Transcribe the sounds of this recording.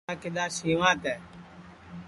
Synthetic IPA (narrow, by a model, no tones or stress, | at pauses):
akɪɗ̪aːsiːʋãːt̪ɛː